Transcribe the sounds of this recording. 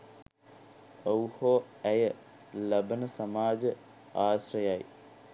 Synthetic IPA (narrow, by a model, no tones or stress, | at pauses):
owhoː | æjə | lɐbənəsɐmaːd͡ʒə | aːsrɐjaj